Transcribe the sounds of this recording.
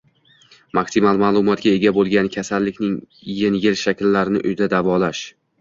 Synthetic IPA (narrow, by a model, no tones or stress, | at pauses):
maksimalˠmaːlˠʊmɒt̪̚ɡʲae̞ɡʲabolˠɡʲankʲʰasalːɪkʲnɪŋ | jenɡʲɪlʃakʲlːaɾɪnɪʔʊjd̪ad̪avɒlaʃ